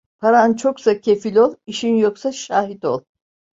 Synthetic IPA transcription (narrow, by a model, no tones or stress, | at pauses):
pʰaɾant͡ʃʰo̞ksacʰe̞filʲo̞lˠiʃinjoksaʃaːɦit̪o̞lˠ